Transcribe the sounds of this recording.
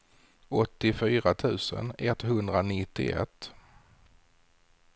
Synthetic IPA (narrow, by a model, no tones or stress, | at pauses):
ɔt̪ːɪfyːɾat̪ʰʉ̟ːsə̰nɛt̪hɵnd̪ɾanɪt̪ːɪ̰ʔɛ̰t̪ː